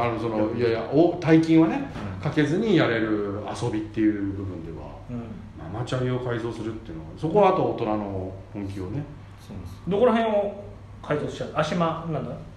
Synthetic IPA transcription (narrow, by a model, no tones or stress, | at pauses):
anoso̞nojajaʔot̪aikʲĩɰ̃βane̞kake̞zɨɲ̟ijaɾe̞ɾɯ̟a̰so̞bʲit̪ːe̞jɯ̟ːbɯ̟bɯ̟̃nd̪e̞βã̰ | ma̰mat͡ɕaio̞kaizo̞ːsɨɾɯ̟t̪ːe̞jɯ̟noɡaso̞ko̞βat̪oːt̪o̞nano̞hõŋk̬ʲio̞ne̞ | sod̪okoɾaɦẽɰ̃o | kʰaizo̥ɕaaɕimanãnd̪a